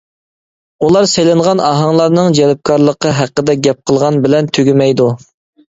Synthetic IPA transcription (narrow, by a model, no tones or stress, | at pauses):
ulˠɑɾsejlɪɴʁɑnɑɦɑŋlˠɑɾnɨŋd͡ʒɛlp̚kʰɑɾlˠəqːəɦæqːəd̪ɛɡʲɛp̚qʰəlˠʁɑnbɪlɛnt̪ʰøɡʲimɛjd̪u